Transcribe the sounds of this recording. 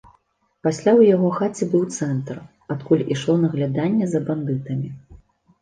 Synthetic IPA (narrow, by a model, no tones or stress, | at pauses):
pasʲlʲawjaɣɔxat͡sʲɛbɨwt̪sɛnt̪r | at̪kulʲiʂlˠɔnɐɣlʲad̪anʲːɛzɐband̪ɨt̪ɐmʲi